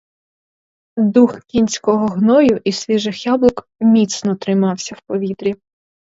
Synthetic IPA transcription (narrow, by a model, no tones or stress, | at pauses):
d̪uxkʲinʲsʲkɔɦɔɦnɔjʊʔisʲʋʲiʒɪxjablˠɔk | mʲit̪snɔt̪ɾɪmɑwsʲɐwpɔʋʲit̪ɾʲi